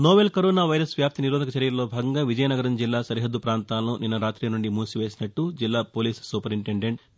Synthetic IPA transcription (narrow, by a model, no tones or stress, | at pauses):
noːʋelkoɾoːnaːʋɐjɾɐsʋjaːp̚t̪iniɾoːd̪ʱɐkɐt͡ʃɐɾijɐɾɐloːbʱaːɡɐŋɡaːʋid͡ʒɐjɐnɐɡɐɾɐnd͡ʒilːaːsɐɾiɦɐd̪ːupɾaːnt̪aːlɐnuninːɐɾaːt̪ɾiːnuɳɖimuːsiʋe̞ːsinɐʈːud͡ʒilːaːpoːliːssuːpɐɾiɳʈeɳɖeɳʈ